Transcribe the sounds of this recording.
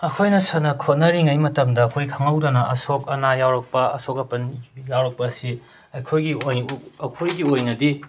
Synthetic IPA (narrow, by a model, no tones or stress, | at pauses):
ɐkʰojnɐsɐnɐkʰot̚nɐɾiŋɐjmɐtɐmdɐːkʰojkʰɐŋɐwdɐnɐʔɐsokɐnajawɾɐk̚pɐɐsokɐpɐnjawɾɐk̚pɐːsi | ɐjkʰojɡiojɐkʰojɡiojnɐdi